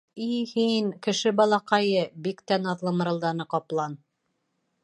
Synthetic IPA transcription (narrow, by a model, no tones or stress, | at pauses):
ihinkɘ̆ʃɘbɑlˠɑqɑjɤbikt̪ænɑðlˠɤmɤ̆ɾɤ̆lˠd̪ɑnɤqɒplˠɑn